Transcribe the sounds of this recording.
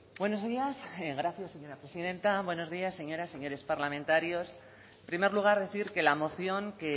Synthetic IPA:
bwe̞no̞zðiaseɣɾaθjasːe̞ɲo̞ɾapɾesiðẽ̞nt̪aβwe̞no̞zðiasːe̞ɲo̞ɾase̞ɲo̞ɾe̞spaɾlamẽnt̪aɾjo̞s | pɾime̞ɾluɣ̞aɾðe̞θiɾke̞lamo̞θjo̞ŋke

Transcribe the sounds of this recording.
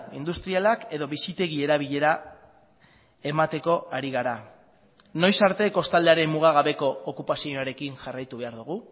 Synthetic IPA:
ḭnd̪ust̪ɾialake̞ðo̞βisit̪e̞ɣ̞ie̞ɾaβ̞iʎe̞ɾa | e̞mat̪e̞ko̞ʔaɾiɣ̞aɾa | no̞jsaɾt̪e̞ko̞st̪ald̪eaɾe̞mmuɣ̞aɣ̞aβe̞ko̞ːkupasioaɾe̞kinʝarajt̪uβe̞aɾðuɣ̞u

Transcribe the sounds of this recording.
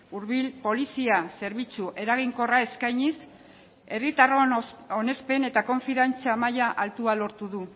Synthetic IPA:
uɾβilpo̞lisiase̞ɾβit͡suʔe̞ɾaɣ̞iŋko̞rae̞skajɲis | e̞rit̪aroone̞spe̞ne̞t̪ako̞ɱfiðant͡seamajaʔalt̪ualo̞ɾt̪uðu

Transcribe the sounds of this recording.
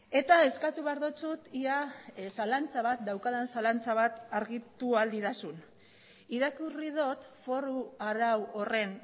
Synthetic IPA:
e̞t̪ae̞skat̪uβeaɾðot͡sut̪iasalant͡saβat̪̚d̪awkaðensalant͡saβat̪aɾɣit̪uald̪it̪asun | iɾakurið̞o̞t̪fo̞ɾuaɾawo̞re̞n

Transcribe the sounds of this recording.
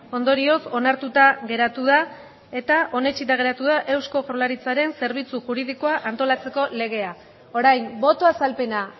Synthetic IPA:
o̞nd̪o̞ɾio̞so̞naɾt̪ut̪aɣe̞ɾat̪uð̞a | e̞t̪aʔo̞ne̞t͡ʃit̪aɣ̞e̞ɾat̪uð̞aʔe̞wsko̞fɾolaɾit͡saɾe̞nse̞ɾβ̞it͡suʝuɾið̞iko̞aʔant̪o̞lat͡se̞ko̞le̞ɣ̞e̞a | o̞ɾajmbo̞t̪o̞asalpe̞na

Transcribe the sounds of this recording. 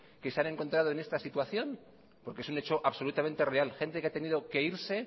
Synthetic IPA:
ke̞seane̞ŋko̞nt̪ɾaðoene̞st̪asit̪waθjo̞n | po̞ɾkeesunet͡ʃo̞ʔaβso̞lut̪ame̞nt̪e̞re̞alxe̞nt̪e̞keat̪e̞niðo̞ke̞iɾse̞

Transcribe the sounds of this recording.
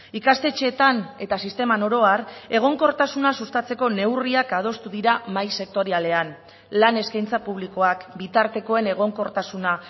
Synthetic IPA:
ikast̪e̞t͡ʃe̞ːt̪ane̞t̪asist̪e̞mano̞ɾo̞are̞ɣ̞o̞ŋko̞ɾt̪asunasust̪at͡se̞ko̞ne̞wriakað̞o̞st̪uðiɾamajse̞k̚t̪o̞ɾiale̞an | lane̞skajnt͡sapuβ̞liko̞akbit̪aɾt̪e̞ko̞e̞ne̞ɣ̞o̞ŋko̞ɾt̪asuna

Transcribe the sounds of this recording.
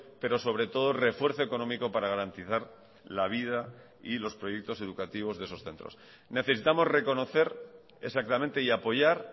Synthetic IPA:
pe̞ɾo̞so̞β̞ɾe̞t̪o̞ð̞ore̞fwe̞ɾθo̞eko̞nõ̞miko̞paɾaɣ̞aɾant̪iθaɾ | laβ̞ið̞a | ilo̞spɾo̞jek̚t̪o̞se̞ðukat̪iβ̞o̞zðe̞so̞sθe̞nt̪ɾo̞̰s | ne̞θesit̪amo̞zre̞ko̞no̞θe̞ɾ | e̞sak̚t̪amẽnt̪e̞iapo̞ʝaɾ

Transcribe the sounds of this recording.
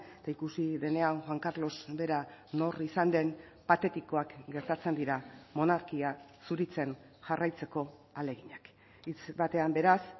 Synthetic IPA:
et̪aikusiðe̞ne̞anxwaŋkaɾlo̞sbe̞ɾano̞risand̪e̞n | pat̪e̞t̪iko̞akɡe̞ɾt̪at͡se̞nd̪iɾamo̞naɾkiasuɾit͡se̞n | ʝarajt͡se̞ko̞ale̞ɣiɲak | it͡sbat̪e̞ambe̞ɾas

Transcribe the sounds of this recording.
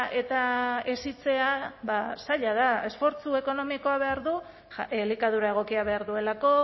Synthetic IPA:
e̞t̪aesit͡se̞aβasaʎað̞ae̞sfo̞ɾt͡sue̞ko̞no̞miko̞aβ̞e̞aɾðu | likað̞uɾae̞ɣ̞o̞kiaβ̞e̞aɾðue̞lako̞

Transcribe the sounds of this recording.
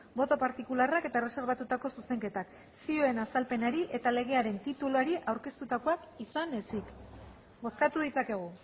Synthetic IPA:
bo̞t̪o̞paɾt̪ikularake̞t̪aere̞se̞ɾβat̪ut̪ako̞suse̞ŋke̞t̪ak | sio̞e̞nasalpe̞naɾiʔe̞t̪ale̞ɣ̞e̞aɾe̞nt̪it̪uluaɾiʔawɾke̞st̪ut̪ako̞akisanesik | bo̞skat̪uðit͡sake̞ɣ̞u

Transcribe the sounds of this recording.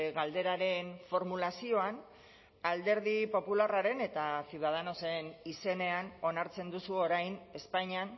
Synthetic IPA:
ɣald̪e̞ɾaɾe̞nfo̞ɾmulasio̞an | ald̪e̞ɾðipo̞pularaɾe̞ne̞t̪asjuðað̞ano̞se̞nise̞ne̞ano̞naɾt͡se̞nd̪usuo̞ɾajne̞spaɲan

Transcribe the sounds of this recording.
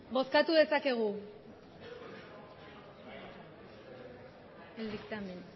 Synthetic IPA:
bo̞skat̪uðe̞sake̞ɣ̞u | eld̪ikt̪amen

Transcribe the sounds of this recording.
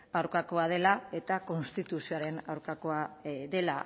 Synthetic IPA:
awɾkako̞að̞e̞lae̞t̪ako̞nst̪it̪usioaɾe̞na̰wɾkako̞aðe̞la

